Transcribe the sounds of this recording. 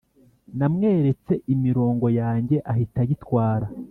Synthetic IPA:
namŋe̞ːɾe̞t͡se̞ʔimiɾo̞ːŋɡo̞jaːɲɟe̞ʔahitaɟitwaːɾa

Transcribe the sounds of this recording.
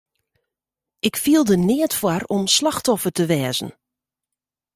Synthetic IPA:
ɪkfiəlˠdənɪətfwaɾɔmslaxtɔfərtəʋɛːzən̩

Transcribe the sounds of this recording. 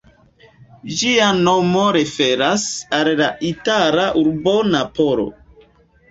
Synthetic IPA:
d͡ʒiano̞moɾe̞fe̞ɾasallaʔitalaʔuɾbonapo̞ɾo̰

